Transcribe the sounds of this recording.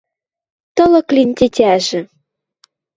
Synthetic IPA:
t̪ɤ̆lɤ̆klʲinʲt̪ʲetʲæʒɘ̆

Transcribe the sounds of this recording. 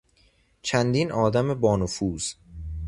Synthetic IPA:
t͡ʃʰænd̪iːnʔɒːd̪æmebɒːnofuːz̥

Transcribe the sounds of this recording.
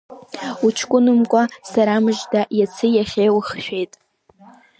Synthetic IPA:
ut͡ʃʰkʷʼʊnɨmkʷʼasaɾamɨʒdajat͡sʰɨjaχʲejwχʃᶣejtʼ

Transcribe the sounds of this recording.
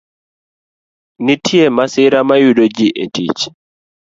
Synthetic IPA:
nitʰjemasɪɾamajuɗod͡ʒiʔetḭt͡ʃ

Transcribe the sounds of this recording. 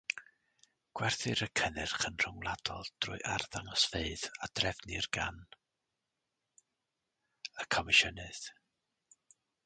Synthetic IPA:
ɡ̥wɛrθɨɾəkʰənɛrχənr̥ʊŋlˠadɔlˠd̥rʊ̰ɨʔarðaŋɔsfeɨðadrɛvnirɡan | əkʰɔmɪʃənɨð̥

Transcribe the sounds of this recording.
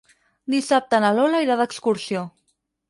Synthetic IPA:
d̪isap̚t̪ənalɔlaiɾaðəkskuɾsio

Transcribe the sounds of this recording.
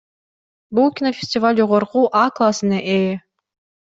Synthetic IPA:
bulˠkʲinofʲɪ̥sʲtʲɪvalʲd͡ʒoʁoɾquʔaklˠasɨneʔe

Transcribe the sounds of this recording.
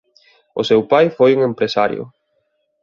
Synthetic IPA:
ʊsewpajfojuŋempɾesaɾjʊ̰

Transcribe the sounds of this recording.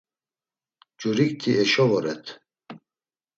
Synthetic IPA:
d͡ʒuɾik̚t̪ʰiʔɛʃɔvɔɾɛt̪ʰ

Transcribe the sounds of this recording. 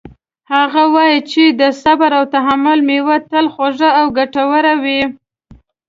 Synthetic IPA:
haɣawɑjit͡ʃed̪əsabaɾawt̪aɦamʊlmewat̪əlxoʒaawɡaʈawəɾawi

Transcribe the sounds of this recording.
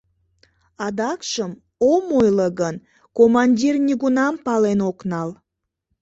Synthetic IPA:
ɑd̪ɑkʃəm | omojləɣən | komɑnʲdʲirnʲiɣunɑmpɑlenoknɑl

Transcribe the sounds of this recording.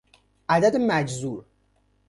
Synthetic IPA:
ʔæd̪æd̪mæd͡ʒzuɾ

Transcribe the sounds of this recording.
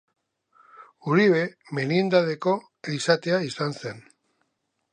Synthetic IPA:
uɾiβe̞ | menind̪aðe̞ko̞ | isat̪e̞aisanse̞n

